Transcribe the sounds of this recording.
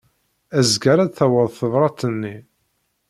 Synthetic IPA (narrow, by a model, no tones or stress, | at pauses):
æzɡæɾæθæwəðˤθəðˤɾˤɑt̪ːənːi